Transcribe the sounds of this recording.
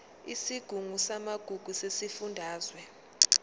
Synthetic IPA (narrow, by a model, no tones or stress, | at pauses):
isiɡ̥ʱuŋusamaɡ̥ʱuɡ̥ʱusesifundʱaːzwɛ